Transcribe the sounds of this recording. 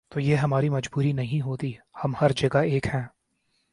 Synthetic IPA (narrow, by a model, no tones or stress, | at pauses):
t̪oːjeːɦɐmaːɾimɐd͡ʒbuːɾinɐɦĩɦoːt̪ihɐmhɐɾd͡ʒɐɡaeːkhɛ̃ː